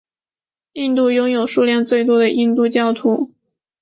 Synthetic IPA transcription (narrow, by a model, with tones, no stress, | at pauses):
i˥˧nt̪u˥˩jʊ˥ŋjo˨˩ʊʂu˥˧ljɛ˥˧nt͡swe˥˧ɪt̪̬wɔ˥d̪ə˨ʔi˥˧nt̪u˥˧t͡ɕjɑ˥˧ʊt̪ʰu˥˩